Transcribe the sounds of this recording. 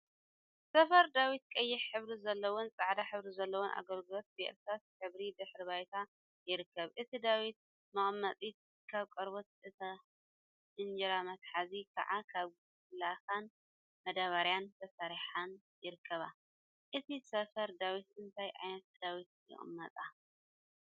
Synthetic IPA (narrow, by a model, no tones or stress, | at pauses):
sɐfɐɾd̪awit̪̚kʼɐjːɪħħɨβɾizɐlːɐwont͡sʼaʕd̪aħɨβɾizɐlːɐwonʔa̰ɡɐlɡɨlo̞t̪̚beʔɛ̰ɾt̪at̪ħɨβɾid̪ɨħɾiβajt̪ʰa | jɪɾɨkʰːɐβʔɨt̪ʰid̪awit̪̚ | mɨχʼmːɐt͡s̪ʼit̪̚ | kʰaβkʼɐɾbot̪ɨt̪ʰɐ | ʔɨnd͡ʒiɾamɐt̪ħazikʰa̰ʕakʰaβɡ | laxan | mɐd̪aβaɾjant̪ʰɐsaɾiħan | jɪɾɨkʰːɐβa | ʔɨt̪ʰisɐfɐɾd̪awit̪ɨnt̪ʰajʔa̰jnɐt̪̚d̪̥awit̪̚jɪ̰χʼɨ̰mːɐt̪ʼa